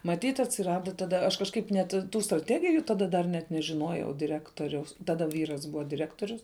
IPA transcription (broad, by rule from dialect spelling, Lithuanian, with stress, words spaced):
mɐˈtʲiːt ɐtʲsʲɪˈrɑːdɐ tɐˈdɐ ɐʃ kɐʃˈkɐɪp nʲɛt ˈtuː strɐˈtʲæːɡʲɪjuː tɐˈdɐ dɐr ˈnʲɛt nʲɛʒʲɪˈnoːjɛʊ dʲɪˈrʲæːktoːrʲɛʊs tɐˈdɐ ˈʋʲiːrɐs ˈbʊʋɐ dʲɪˈrʲæːktoːrʲʊs